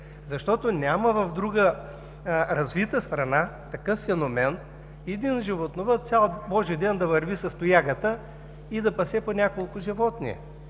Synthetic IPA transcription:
zɐʃt̪ɔt̪onʲaməvɐvd̪ɾuɡə | ɾɐzvit̪əst̪ɾɐnat̪ɐkɤfːɛnomɛn | ɛd̪inʒivot̪novət̪sʲalˠbɔʒid̪ɛnd̪ɐvɐɾvisɐst̪ʊjaɡət̪ə | id̪ɐpɐsɛponʲakolˠkʊʒivɔt̪nḭɛ̰

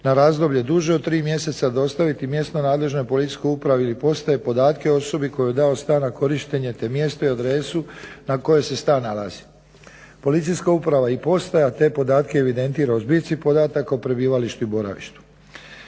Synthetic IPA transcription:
naɾaːzd̪o̞bʎed̪uːʒeod̪̚t̪ːɾiːmje̞se̞t̪sad̪o̞st̪aʋit̪imje̞st̪no̞naːd̪le̞ʒno̞jpo̞lit̪i̥sʲko̞jupɾaʋeilipo̞st̪aje̞po̞d̪aːt̪keoo̞so̞biko̞jojed̪ao̞st̪aːnako̞ɾiʃt̪e̞ɲe̞t̪e̞mje̞st̪oiad̪ɾe̞sunako̞je̞se̞st̪aːnːala̰zi̥ | po̞lit̪sijskaupɾaʋaipo̞st̪ajat̪e̞po̞d̪aːt̪ke̞eʋid̪e̞nt̪iːɾaozbisipo̞d̪aːt̪akopɾe̞biːʋaliʃt̪uibo̞ɾa̰ʋḭʃt̪u̥

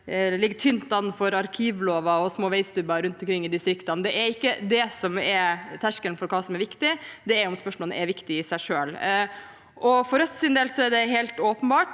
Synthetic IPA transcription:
lɪɡt̪ʰʏnt̪ːɑnfɔɾɑɾkʰiːʋloːʋɑɔsmoːʋɛɪst̪ʉbɑɾʉnt̪ɔmkʰɾɪŋːɪd̪ɪst̪ɾɪkt̪ɑnd̪ɛæɾɪkːəd̪ɛsɔmɛɾt̪ʰæʂkəlnfɔɾkʰɑːsɔmɛɾʋɪkt̪ɪd̪ɛɛɾʊɔmspœʂmɔːlnə̰ɛɾʋɪkt̪ɪɪsæɪʂøːl | ʔɔfɔɾœt̪sɪnd̪ɛːlsɔɛɖɛɦɛlt̪oːpənbɑːʈ

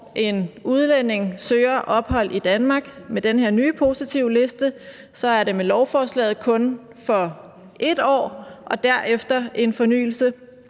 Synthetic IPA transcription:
ʔe̝nuð̞ˠlen̰e̝ŋsøːɐʔɒ̽b̥hɒ̽l̰id̥ænmɑ̈ːɡ̥med̥enɦe̝ɐ̰nyːpʰo̝sit͡sʰiʊle̝sd̥ə | sɒ̽æɐɾe̝melɒʊfɒːslɛ̰ːð̩ˠkʰɔ̽n | fɒ̽ | ʔe̝d̥ɒ̰ːʔɒ̽d̥æɐ̰ʔefd̥ɐʔe̝nfɒ̽ny̰ːl̩sə

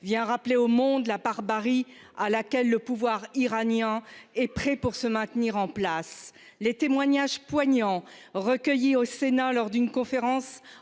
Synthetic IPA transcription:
vjɛ̃ʁapleomɔ̃d̪labaʁbaʁialakʲɛlːəpuvwaʁiʁanjɛ̃ɛpχɛpuʁsəmɛ̃t̪niʁɑ̃plas | let̪emwaɲaʒpwaɲɑ̃ʁəkʲəjiosenalɔʁd̪ynkɔ̃feʁɑ̃s

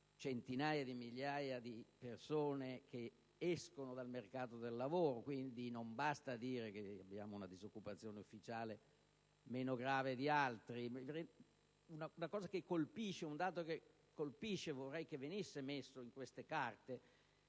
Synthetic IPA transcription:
t͡ʃent̪inaːjad̪imiʎjajad̪ipersoːnek̟e | ɛskonod̪almerkaːt̪od̪elːavoːɾokwind̪inombast̪ad̪iːɾekeabːjaːmounad̪izokːupat̪sːjoːneufːit͡ʃaːle | meːnoɡɾaːved̪ialt̪ɾimɾe | unaunakɔːzakekːolpiʃːeund̪aːt̪oke | kːolpiʃːevorːɛjkevːenisːemesːoiŋkwest̪ekart̪e

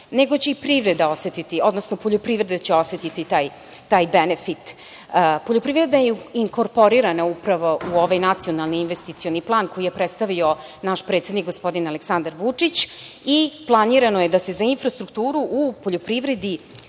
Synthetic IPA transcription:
ne̞ɡo̞t͡ɕe̞ipɾiʋɾed̪ao̞se̞t̪it̪io̞d̪no̞snopo̞ʎopɾivɾe̞d̪et͡ɕeo̞se̞t̪it̪it̪aːj | t̪aːjbenefit̪ | po̞ʎopɾivɾe̞d̪najeiŋkoɾpo̞ɾiɾanaupɾaʋo̞ʔuo̞ʋajnat̪sijo̞nalˠniːnʋest̪it̪sio̞niplˠaːnko̞jije̞pɾet̪st̪aʋio̞naʃpɾe̞t̪sed̪nikɡospo̞d̪inaleksand̪aɾʋut͡ʂit͡ɕ | iplˠaniɾanoje̞d̪ase̞zainfɾast̪ɾukt̪uːɾuʔupoʎopɾiʋɾe̞d̪i

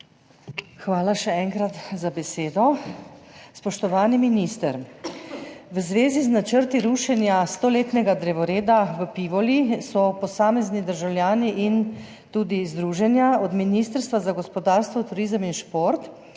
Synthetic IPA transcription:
xʋaːlaʃɛɛŋkɾat̪zabɛseːd̪ɔ | spɔʃt̪ɔʋaːniminist̪əɾ | ʋəzʋeːziznat͡ʃəɾt̪iɾuːʃɛnjast̪oːleːt̪nɛɡad̪ɾɛʋɔɾeːd̪aʋəpiʋɔlisɔpɔsaːmɛznid̪əɾʒawlʲjaːniʔin | t̪uːd̪izd̪ɾuːʒɛnjaɔd̪miniːst̪əɾst̪ʋazaɡɔspɔd̪aːɾst̪ʋɔt̪uɾiːzəminʃpoɾt̪

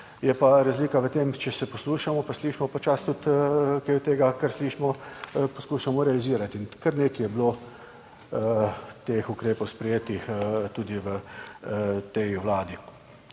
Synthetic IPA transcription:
jɛpaɾazliːkaʋət̪eːmt͡ʃɛsɛpɔsluːʃamɔpasliːʃmɔpat͡ʃast̪ut̪keɔt̪eːɡakəɾsliːʃmɔpɔskuːʃamɔɾɛaliziːɾat̪inkəɾneːkijɛblo | t̪eːxukɾeːpɔwspɾɛjeːt̪ixt̪uːd̪iʋə | t̪ɛjwlaːd̪i

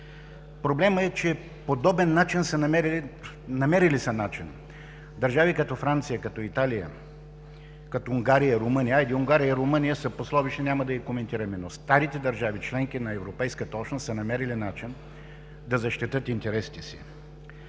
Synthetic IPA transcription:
pɾoblɛməɛt͡ʃɛ | pod̪ɔbɛnːat͡ʃinsənɐmɛɾ | nɐmɛɾilisɐnat͡ʃin | d̪ɐɾʒavikɐt̪ɔfɾant̪sijəkɐt̪ɔit̪alijə̰ | kɐt̪ɔuŋɡaɾijəɾomɤnijəajd̪iʊŋɡaɾijəiɾomɤnijəsɐposlˠɔviʃt̪ɛnʲamɐd̪ɐjikomɛnt̪iɾɐmɛnost̪aɾit̪ɛd̪ɐɾʒavit͡ʃlɛŋk̟inɐɛvɾopɛjskət̪ɐɔt͡ʃnosənɐmɛɾilinat͡ʃin | d̪ɐzɐʃt̪it̪ɤt̪int̪ɛɾɛsi̥t̪ɛsi̥̰

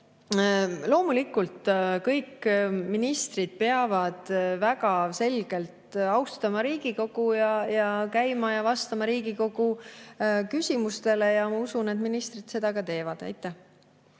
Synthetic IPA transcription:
lo̞ːmulikːˑult̪kɤjkːminist̪rid̪̥̚peɑvɑd̪̥væɡɑse̞lɡ̥e̞lt̪ɑwst̪ɑmɑɾiːɡ̥iko̞ɡ̥ujɑjɑkæjmɑjɑvɑst̪ɑmɑɾiːɡ̥iko̞ɡ̥u | kysʲimust̪e̞le̞jɑmɑusune̞t̪minist̪rid̪̥se̞d̪̥ɑkɑt̪e̞ːvɑd̪̥æ̰jt̪ːˑæh

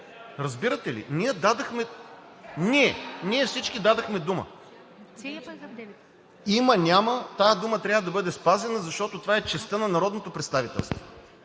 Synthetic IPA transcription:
ɾɐzbiɾət̪ɛlḭniɛd̪ad̪ɐxmɛ | niɛniɛfsit͡ʃkid̪ad̪ɐxmɛd̪umə̰ | imənʲamət̪ajɐd̪umət̪ɾʲavəd̪ɐbɤd̪ɛspazɛnəzɐʃt̪ɔt̪ot̪ovaɛt͡ʃɛst̪ɤnɐnɐɾɔd̪not̪opɾɛt̪st̪avit̪ɛ̰lˠst̪vo

